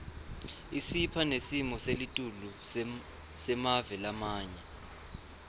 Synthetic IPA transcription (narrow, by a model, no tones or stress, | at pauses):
isipʰanesimɔselitʼulu | sɛmavɛlamaːɲɛ